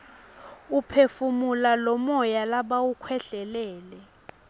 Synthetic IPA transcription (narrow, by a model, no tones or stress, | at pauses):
upʰefumulalɔmɔjalaɓawukʰwɛɬɛlɛːlɛ